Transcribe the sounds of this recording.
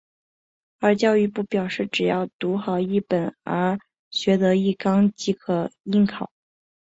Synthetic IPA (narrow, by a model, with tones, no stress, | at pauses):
ə˞˧˥t͡ɕjɑ˥˧ʊy˥˧pu˥˩pjɑ˨˩ʊʂɻ̩˥˩ʈ͡ʂɻ̩˨˩jɑ˥˩ʊt̪u˧˥xɑ˨˩ʊi˥˩pə˨˩˦nə˞˧˥ | ɕɥɛ˧˥t̪ɤ˧˥i˥˩kɑ˥ŋt͡ɕi˧˥kʰɤ˨˩i˥nkʰɑ˨˩˦ʊ